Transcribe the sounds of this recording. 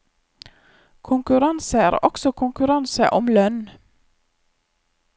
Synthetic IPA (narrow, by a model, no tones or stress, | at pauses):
kʰʊŋkʉɾɑnsəæ̰ːɾɔ̰ksɔkʰʊŋkʉɾɑnsə̰ʔɔmlœn